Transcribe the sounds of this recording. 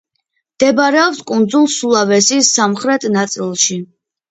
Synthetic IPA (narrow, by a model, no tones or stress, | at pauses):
md̪̥ɛbɾɛɔpskʼund̪zulˠsulˠavɛsisːamχɾɛt̪ʰnat̪sʼilˠʃi